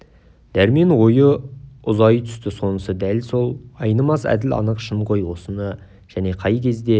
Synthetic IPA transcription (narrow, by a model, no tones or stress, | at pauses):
d̪̥æɾme̞nwo̞jəʊzɑjt̪ʰʏ̥st̪ɪso̞nəsəd̪ælso̞lˠɑjnəmɑsæ̰d̪ɪlɑ̰nəqʃəmqojwo̞sənə | ʒ̥æne̞qʰɑjkʲʰe̞zd̪e̞